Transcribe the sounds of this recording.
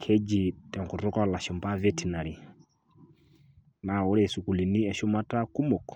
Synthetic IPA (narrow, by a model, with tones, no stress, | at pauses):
kʰɛ˦d͡ʒi˨tɛ˨ŋkʊ˨ɾʊ˦kɔ˦la˨ʃʊ˨mba˦vɛ˦ti˨na˨ɾi˨ | na˨ʊ˦ɾɛ˨su˨ku˨li˨ni˦ɛ˨ʃʊ˦ma˦ta˦ku˦mo˨k